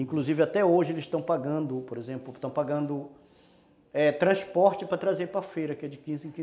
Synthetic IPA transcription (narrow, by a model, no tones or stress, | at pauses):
ĩkluzivɪat̪ɛoʒɪelɪsʃt̪ɐ̃w̃paɡɐ̃nd̪ʊpoɾezẽmplʊt̪ɐ̃w̃paɡɐ̃nd̪ʊ | ɛt̪ɾɐ̃spɔɾt͡ʃɪpɾɐt̪ɾazeɾpɾɐfejɾɐkɪɛd͡ʒɪkĩzɪẽkĩ